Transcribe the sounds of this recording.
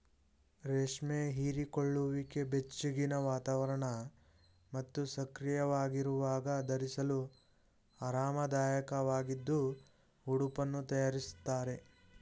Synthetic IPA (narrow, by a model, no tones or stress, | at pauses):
ɾeːʂmeɦiːɾikoɭːuʋike̞be̞t͡ʃːuɡinɐʋaːt̪aːʋɐɾɐɳɐ | mɐt̪ːusɐkɾijɐʋaːɡiɾuʋaːɡɐd̪ɐɾisɐlu | ɐɾaːmɐd̪aːjɐkɐʋaːɡid̪ːu | uɽupɐnːut̪ɐjaːɾist̪ːaːɾe̞